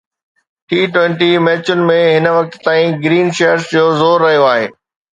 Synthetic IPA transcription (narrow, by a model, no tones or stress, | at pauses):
ʈiːʈwʋẽɳʈimɛːt͡ɕʊnɪ̆mẽɦɪnə̆ʋɐk̚t̪t̪ãːĩɡɾiːnʃejəɾsd͡ʑoːzoːɾːɐɦijoaːɦḛː